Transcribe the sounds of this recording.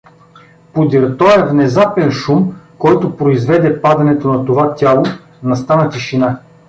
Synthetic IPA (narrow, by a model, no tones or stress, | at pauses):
pod̪ʲiɾt̪ɔɛvnɛzapɛnʃumkɔjt̪opɾoizvɛd̪ɛpad̪ɐnɛt̪onɐt̪ovat̪ʲalˠo | nɐst̪anɐt̪iʃina